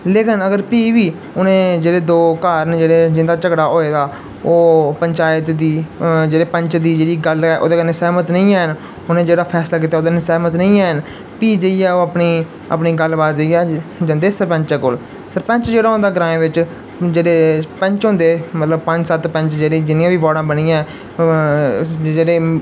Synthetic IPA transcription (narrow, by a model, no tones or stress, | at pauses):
leːkɪnəɡəɾpiːʋiː | ʊnẽːd͡ʒeːɽeːd̪oːkaːɾnd͡ʒeːɽeːd͡ʒɪnd̪aːt͡ʃəɡɽaːʔoːeːd̪aː | oːpəɲt͡ʃaːət̪d̪iːd͡ʒeːɽeːpəɲt͡ʃd̪iːd͡ʒeːɽiːɡəlɛːʔo̰ːd̪aːnɪsɛːmət̪nəĩːɛːən | ʊnẽːd͡ʒeːɽaːpʰɛːslaːk̬iːt̪aːoːd̪aːnɪsɛːmət̪nə̃ĩːɛːən | piːd͡ʒəiːɛːoːəpniː | ə̰pniːɡəlbaːt̪d͡ʒəiːɛːd͡ʒənd̪eːsəɾpə̃ɲt͡ʃeːkoːl | səɾpə̃ɲt͡ʃd͡ʒeːɽaːɦʊ̃nd̪aːɡəɾãːẽːʋɪt͡ʃ | d͡ʒeːɽeːpə̃ɲt͡ʃɦõnd̪eːmət̪ləbpə̃ɲd͡ʒsət̪pə̃ɲt͡ʃd͡ʒeːɽeːd͡ʒɪnijãːʋiːbɔːɽãːbəɽiːãɛ | d͡ʒeːɽeː